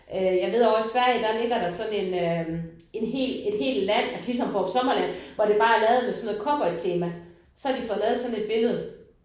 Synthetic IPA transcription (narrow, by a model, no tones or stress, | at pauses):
ʔøjɑ̈ɪʋ̝ð̞̰ˠɒsʋæɐ̰jəd̥ɑne̝d̥æɐɾɑ̈sɒ̽ne̝nø | e̝nɦe̝̰ːle̝d̥he̝̰ːld̥læn̰ælsəlis̬ɒ̽mfɒːpʰɒ̥̽sɒ̽mɐlæn̰ʋɒɾ̥e̝b̥ɑ̈ːæɐlɛːð̞̩ˠmesɒ̽no̽ð̩ˠkʰɒ̽b̥ɒ̽ɪt͡sʰe̝ːmæ | sɒæɐd̥ifɔ̽ð̩ˠlɛːð̞̩ˠsɒ̽ne̝d̥̚b̥e̝ləð̞̩ˠ